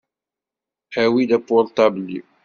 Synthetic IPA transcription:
hæwid̪æpːolt̪ːɑblːi

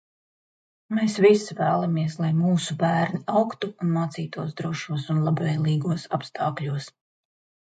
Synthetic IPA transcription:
meːsvisvæːlˠamiɛslˠajmuːsubæːɾniawkt̪uːnmaːt̪siːt̪uɔsd̪ɾuɔʃuɔsunlˠabvɛjlˠiːɡuɔsapst̪ʰaːkʎʲuɔs

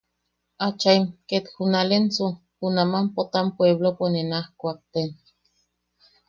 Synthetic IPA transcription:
at͡ʃaimket̪xunalent͡su | hunamampot̪ampweβloponenahkʷak̚t̪en

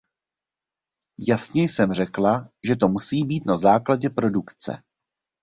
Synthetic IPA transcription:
jasɲɛjsɛmr̝ɛklaʒɛt̪o̞musiːbiːt̪nazaːklaɟɛpɾo̞dukt͡sɛ̰

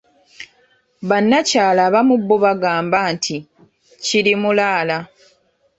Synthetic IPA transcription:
βanːacaːlaːβamubːoβaɡaːmbaːntʰi | cilimulaːla

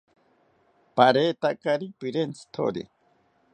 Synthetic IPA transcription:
paɾeːt̪akaɾipiɾent͡si̥t̪ʰo̰ɾḭ

